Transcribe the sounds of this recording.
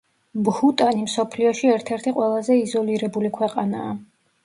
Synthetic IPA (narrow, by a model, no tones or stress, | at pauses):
bhut̪ʼanimsɔpʰliɔʃiɛɾt̪ʰɛɾt̪ʰiqʼwɛlˠazɛizɔliɾɛbulikʰwɛqʼanaː